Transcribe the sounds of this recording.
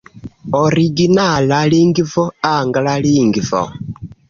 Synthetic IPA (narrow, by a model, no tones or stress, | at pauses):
ɔɾiɡinalaliŋɡivɔaŋɡalaliŋɡivɔ̰